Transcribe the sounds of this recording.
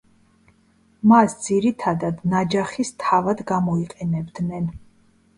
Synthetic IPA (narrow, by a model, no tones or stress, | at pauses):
masd̪z̥iɾit̪ʰad̪ad̪nad͡ʒaχist̪ʰavad̪ɡamɔiqʼɛnɛbd̪nɛn